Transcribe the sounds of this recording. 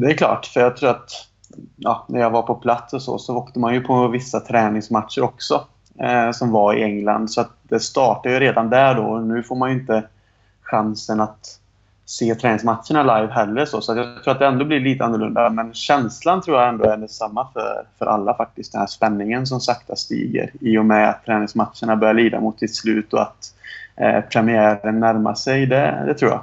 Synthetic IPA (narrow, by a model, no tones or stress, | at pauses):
d̪ɛːɾklɑ̰ːʈːfœɾjɑːɡ̚t̪ʰɾuːɾat̪ | jɑ̰ːnæɾjaɡvaɾpʰɔpʰlat̪sɔsɔ̰sɔoːkt̪əmanjɵpʰɔvɪsːat̪ʰɾɛːnɪŋsmat̪ʂəɾɔksɔ | sɔmvaɪ̰ɛŋla̰nd̪sɔat̪̚d̪ɛst̪ɑːʈadjɵɾeːd̪and̪æɖɔ̰ɔnʉ̟ːfoːɾmanjɵɪnt̪ə | ɧansənat̪ | seːt̪ʰɾɛːnɪŋsmat̪ʂəɳalajvɦɛlːəʂoːsɔat̪jɑt̪ʰɾuːɾat̪d̪ɛɛnd̪oːblɪɭiːt̪əanːʊɭɵnd̪amɛnɕɛnslant̪ʰɾuːjaɛnd̪oɛɖɛsamːafœ̰ɾfœɾʔa̰lːafak̚t̪ɪst̪̚d̪ɛnhæːʂpɛnːɪŋəns̬ɔmsakt̪ʰast̪ḭːɡə̰ɾiːɔmɛa̰t̪ʰːɾɛːnɪŋsmat̪ʂəɳabœɾjaɭiːd̪a̰mʊt̪ːsɪt̪slʉ̟ːt̪ɔa̰t̪ | pʰɾɛmɪæːɾənːæɾma̰sɛjd̪ɛ̰d̪ɛt̪ʰɾuːjɑ̰ː